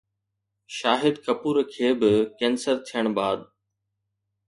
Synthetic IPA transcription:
ʃaːɦɪd̪kɐpuːɾkʰeːbɪkɛ̃ːnsəɾt̪ʰijəɽ̃baːd̪

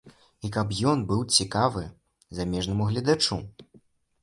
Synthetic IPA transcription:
ikɐpjɔnbɨwt͡sʲikavɨ | zamʲɛʐnɐmuɣlʲɐd̪at͡ʂu

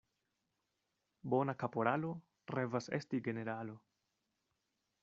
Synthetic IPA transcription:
bo̞nakapo̞ɾalo̞ | ɾevase̞̰stiɡe̞ne̞ɾalo̞

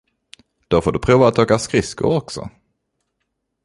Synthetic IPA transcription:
d̪̥ofoːɖɵpʰɾuːvaːt̪̚oːkaskɾɪskʊ̰ɔksɔ̰

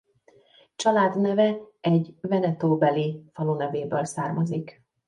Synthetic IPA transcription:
t͡ʃɒlaːd̪nɛvɛ | ɛɟvɛnɛt̪oːbɛlifɒlunɛveːbøːlsaːrmɒzik

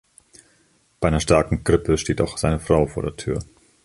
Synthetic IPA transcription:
b̥aɪʔaɪnɐʃtaɐkŋ̩ɡ̥ʁɪpʰəʃteːtaʊxz̥aɪnəfʁ̥aʊfoːɐɾeːɐtʰyːɐ

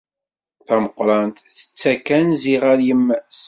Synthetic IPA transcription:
θæməqːɾˤɑnt̪θə̥t͡sːækænziʁaɾjəmːæs

